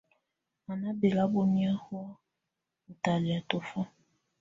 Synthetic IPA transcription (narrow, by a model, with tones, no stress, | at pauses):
a˨nã˦be˨la˦bo˦mĩ˦a˦hwɔ˦ | n̩˨ta˨la˨to˨fɔ˦